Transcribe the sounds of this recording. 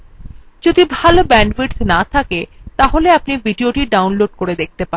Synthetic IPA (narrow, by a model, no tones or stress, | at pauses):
d͡ʑod̪ʱibʱalobɛɳɖbiʈt̪nat̪ʰaket̪aɦoleapnibiɖioʈiɖawnloɖ̚koɾed̪ek̚t̪epan